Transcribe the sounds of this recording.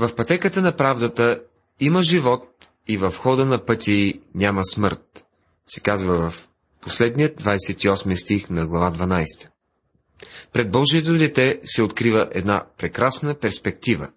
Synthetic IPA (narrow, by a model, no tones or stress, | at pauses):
vɐfpɐt̪ɛkət̪ənɐpɾavd̪ət̪ə | iməʒivɔt̪̚ | ivɐfxɔd̪ənɐpɤt̪ʲʰinʲaməsmɤɾt̪̚ | sɛkazvəvɐf | poslɛd̪nijəd̪vajsɛt̪iɔsmist̪ixnɐɡlˠɐvad̪vɐnajst̪ə̥ | pɾɛd̪̚bɔʒiɛt̪od̪ɛt̪ɛsɛot̪kɾivəʔɛd̪na̰pɾɛkɾasnəpɛɾspɛk̚t̪ivə̰